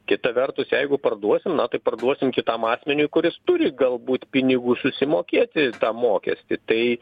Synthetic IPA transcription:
kʲɪt̪ɐʋʲɛrt̪ʊsjɛɪɡʊpɐrd̪uɔsʲɪmnɐt̪ɐɪpɐrd̪uɔsʲɪmkʲɪt̪ɐmɑːsʲmʲɛnʲʊɪkʊɾʲɪst̪ʊɾʲɪɡɐlˠbuːt̪ʲpʲɪnʲɪɡuːsʊsʲɪmoːkʲeːt̪ʲɪt̪ɑːmoːkʲɛ̰sʲt̪ʲɪt̪ɐɪ

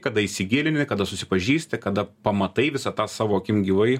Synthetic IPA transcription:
kɐd̪ɐɪsʲɪɡʲɪlʲɪnʲɪkɐd̪ɐsʊsʲɪpɐʒʲiːst̪ʲɐkɐd̪ɐpɐmɐt̪ɐɪʋʲɪsɐt̪ɑːsɑːʋoːɐkʲɪmɡʲiʋɐɪ

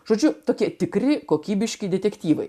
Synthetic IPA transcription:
ʒ̥oːd͡ʒʲʊt̪oːkʲiɛt̪ʲɪkrʲɪkoːkʲiːbʲɪʃʲkʲɪd̪ʲɛt̪ʲɛkʲt̪ʲiːʋɐ̰ɪ

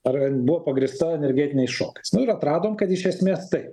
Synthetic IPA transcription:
ɐrɛbuʋoːpɐɡɾʲɪst̪ɐɛnʲɛɾʲɡʲɛːt̪ʲɪnʲɛɪsʃo̰ːkɐɪsnʊɪɾɐt̪ɾɑːd̪oːmkɐt̪ɪʃʲɛsʲmʲeːst̪ɐɪp

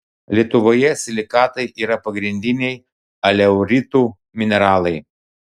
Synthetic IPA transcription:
lʲiɛt̪ʊʋoːjɛsʲlʲɪkɑːt̪ɐɪʔiːɾɐpɐɡɾʲɪnʲd̪ʲɪnʲɛj | ɐlʲɛʊɾʲit̪uː | mʲɪnʲɛɾɑːlˠɐɪ

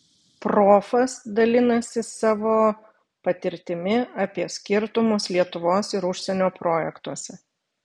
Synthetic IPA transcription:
pɾoːfɐsd̪ɐlʲɪnɐsʲɪsɑːʋoː | pɐt̪ʲɪɾʲt̪ʲɪmʲɪɐpʲiɛsʲkʲɪɾt̪ʊmʊslʲiɛt̪ʊʋoːsɪɾʊʃʲsʲɛnʲoːpɾoːjɛkt̪uɔsʲɛ

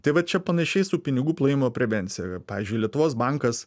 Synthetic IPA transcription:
t̪ɐɪʋɐtt͡ʃʲɛpɐnʲɐʃʲɛɪsuːpʲɪnʲɪɡuːplˠɐjɪmoːpʲɾʲɛʋʲɛnʲt̪sʲɪjɛpɑːʋʲiːzʲd͡ʒʲʊɪlʲiɛt̪ʊʋoːsbɐŋkɐs

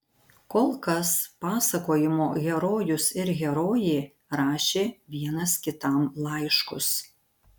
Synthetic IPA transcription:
koːlˠkɐspɑːsɐkoːjɪmoːɣʲɛɾoːjʊsɪɾɣʲɛɾoːjeː | ɾɑːʃʲeːʋʲiɛnɐskʲɪt̪ɐˑmlˠɐɪʃkʊ̰s

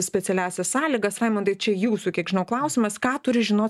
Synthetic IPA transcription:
sʲpʲɛt̪sʲɛlʲæːsʲɛssɑːlʲiɡɐsɑɪmont̪ɐɪt͡ʃʲɛjuːsukʲiɛɡʒʲɪnɐʊklˠɐˑʊsʲɪmɐskɑːt̪ʊɾʲɪʒʲɪnoː

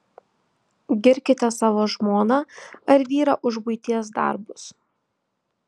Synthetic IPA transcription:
ɡʲɪɾʲkʲɪt̪ʲɛsɑːʋoːʒmoːnɑːɐɾʋʲiːɾɐʔʊʒbʊɪt̪ʲiɛsd̪ɐ̰ˑɾbʊs

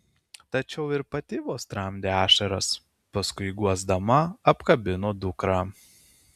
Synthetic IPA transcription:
t̪ɐt͡ʃʲɛʊɪɾpɐt̪ʲɪʋoːst̪ɾɐmʲd̪ʲeːæːʃɐɾɐs | pɐskʊɪɡuɔzd̪ɐmɐɐpkɐbʲɪnoːd̪ʊkɾɑː

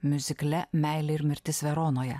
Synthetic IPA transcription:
mʲʊzʲɪklʲɛmʲæˑɪlʲɪɪɾmʲɪɾʲt̪ʲɪsʋʲɛɾoːnoːjɛ

